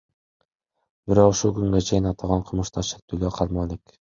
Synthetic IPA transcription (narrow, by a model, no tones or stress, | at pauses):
bɪɾoquʃulˠkyŋɡet͡ʃʰejinɑt̪ʰɑʁɑɴqʰɤlˠmuʃt̪ʰɑʃe̥t̪ʰyløqʰɑɾmɑlek